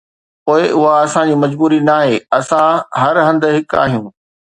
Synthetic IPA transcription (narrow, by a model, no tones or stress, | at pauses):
poːɪʔʊɦaɐsãd͡ʑiːmɐd͡ʑbuːɾinaːɦeːɐsãɦɐɾɦɐ̃nd̪̆ɦɪka̰ːɦijũː